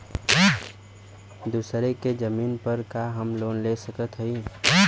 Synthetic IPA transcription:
d̪uːsɾeked͡ʒəmiːnpəɾkaɦəmloːnlesəkət̪ɦəi

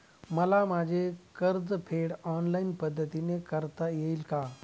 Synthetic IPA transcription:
mɐlamaːd͡ʑʱekɐɾd͡zpʰeːɽɔːnlaːɪnpɐd̪ʱːət̪inẽkɐɾt̪ajeilkaː

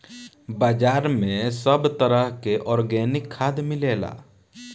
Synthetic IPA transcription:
baːd͡ʒaːɾmẽsəbt̪əɾəɦkeʔɔːɾɡɛːnɪkʰːaːd̪mɪleːla̰ː

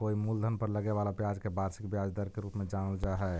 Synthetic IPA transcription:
koimuld̪ʱənpəɾləɡeβalabjad͡ʒkebaɾsikbjad͡ʒd̪əɾkeɾupmed͡ʒanəld͡ʒaɦɛ

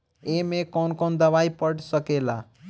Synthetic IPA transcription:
emẽkɔːnkɔnd̪əʋaipəɽsəkela̰

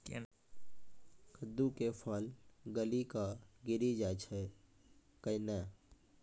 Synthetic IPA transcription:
kḛ | kʰəd̪ːukepʰəlɡəlikaɡɪɾid͡ʒajt͡ʃʰə | kəinɛ

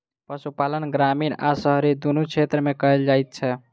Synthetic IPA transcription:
pəsupalənɡɾamina̰səɦɾid̪unut͡ʃʰet̪ɾəmekəɦeld͡ʒajt̪̚t͡ʃʰɛ

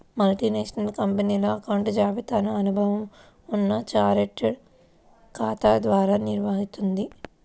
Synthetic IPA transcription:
mɐlʈineːʂɐnɐlkɐmpɐniːloːɐkɐwɳʈd͡ʒaːʋit̪aːnɐɐnubʱɐʋɐm | unːɐt͡ʃaːɾeʈ | kaːt̪aːd̪ʋaːɾaːniɾʋaɦit̪und̪i

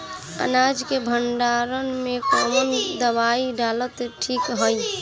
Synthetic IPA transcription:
ə̰nad͡ʒkebʱəɳɖaɾənmekɔmənd̪əβaiɖalət̪ʈʰikɦəj

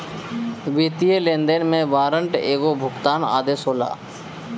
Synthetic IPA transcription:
ʋiːt̪ijelẽːnd̪enmẽʋaːɾəɳʈeːɡobʱʊkt̪aːna̰ːd̪eːsoːla̰ː

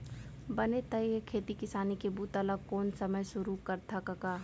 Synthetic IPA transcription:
bɐnet̪əiekʰeːt̪ikɪsaːnikebuːt̪ɐləɡkɔːnsəməjsʊɾukɐɾt̪ʰakɐkaː

